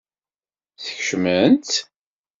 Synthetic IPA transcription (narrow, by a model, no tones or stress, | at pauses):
θəçʃmənt̪